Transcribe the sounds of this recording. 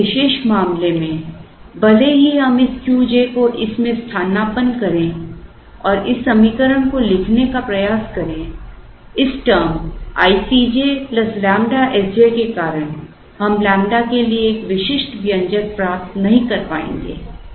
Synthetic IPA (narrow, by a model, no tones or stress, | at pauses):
ɪʃeːʃmaːmlemẽbɐleɦiɦɐmɪskjuːd͡ʒekoʔɪsmẽst̪ʰaːnaːpənkɐɾẽ | ɔːɾɪsːɐmikəɾəɽ̃kolɪkʰnekapɾɐjaːskɐɾẽ | ɪsʈəɾma̰ːisid͡ʒeplɐslɛ̃ːmɖaʔɛsd͡ʒekekaːɾəɽ̃ | hɐmlɛ̃ːmɖakelieːkʋɪʃɪʃʈbjə̃ɲd͡ʒək̚pɾaːp̚t̪nɐɦĩkɐɾpa̰ːḛ̃ːŋ̆ɡḛː